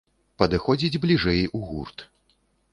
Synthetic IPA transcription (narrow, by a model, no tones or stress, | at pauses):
pɐd̪ɨxɔd͡zʲid͡zʲblʲiʐɛjuɣṵrt̪